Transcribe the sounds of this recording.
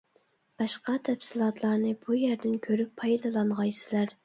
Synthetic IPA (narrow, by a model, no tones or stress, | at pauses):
b̥ɑʃqɑt̪ʰɛpsɪlˠɑt̪ʰlˠɑɾnɨbujæɾd̪ɪnkʲʰøɾypʰːɑjd̪ɨlˠɑɴʁɑjsɪlæɾ